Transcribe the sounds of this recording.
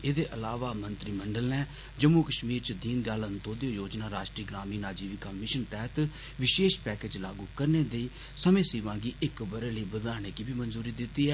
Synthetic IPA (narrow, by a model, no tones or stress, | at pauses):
eːd̪eːʔəlaːʋaːmənt̪ɾiːməɳɖəlnɛː | d͡ʒəmːuːkəʃmiːɾt͡ʃəd̪iːnd̪jaːlənt̪õːd̪ejõːjoːd͡ʒnaːɾaːʃʈɾiːɡɾaːmiːnaːd͡ʒiːʋikaːmɪʃənt̪ɛːɦət̪ | ʋɪʃeːʃpɛːkeːd͡ʒlaːɡuːkəɾneːd̪eiː | səmẽːsiːʋãːɡiːɪkbəɾeːləiːbəd̪aːɽ̃eːkiːbʱiːmənzuːɾiːd̪ɪt̪ːiːɦɛː